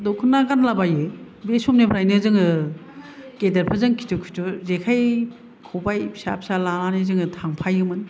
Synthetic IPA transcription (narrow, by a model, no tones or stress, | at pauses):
dɔkʰɯnːaɡanlabajɯ | besɔmnepʰɾajnɯzɯŋɯ | kedɐɾpʰazɯŋkʰi̥tɔkʰi̥tɔzekʰaj | kʰɔbajpʰi̥sa̰pʰsalalanezɯŋɯtʰaŋpʰajɯmɯn